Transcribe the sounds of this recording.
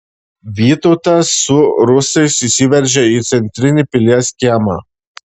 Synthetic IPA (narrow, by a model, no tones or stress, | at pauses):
vit̪ot̪asuɾusesisʲivɛɾʒait̪sɛnt̪ɾinʲipilʲjasʲkʲiama̰